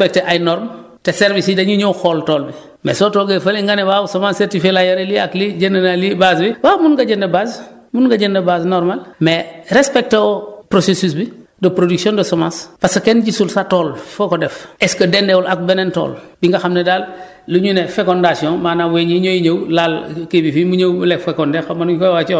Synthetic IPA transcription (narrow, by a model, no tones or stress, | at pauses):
pek̚teʔajnɔɾm | teseɾbisidɐɲuɲoxoːltoːlbi | mḛsoːtoɡefɐliŋɡanewawusomansseɾtifelajaɾelia̰kliɟendɐnalibazbibaːmunɡaɟendebas | munɡaɟendebaznoɾmalmeɾespek̚teopɾosesus̬bidopɾoduksiõndosomaspasekenɟisulsatoːlfokodefeskɐdendeulʔak̚benento̰ːlbiŋɡaxamnedaːlː | uɲunefekondasiõŋmaːnaweɲiɲoiɲɐwlalkebifimuɲowbulekfekondexomanukojwat͡ʃo